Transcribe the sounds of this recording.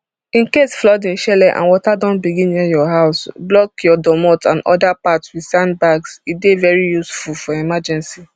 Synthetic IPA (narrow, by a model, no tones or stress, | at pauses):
ĩnkesflɔdĩnʃɛlɛʔã̰nwɔtadɔ̃nbiɡĩnijɔɦaʊsblɔkjɔdɔmɔtã̰nɔ̰dapatswidsãnbaɡsidevɛɹijusfulfɔɛmad͡ʒɛ̃nsi